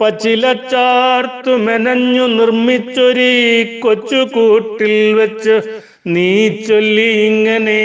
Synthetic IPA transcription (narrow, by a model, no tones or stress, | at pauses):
pɐt͡ɕilɐt͡ɕaːrt̪umenɐɲːunirmit͡ɕːoɾikot͡ɕːukuːʈːilʋet͡ɕːu | niːt͡ɕːolːiiŋːɐne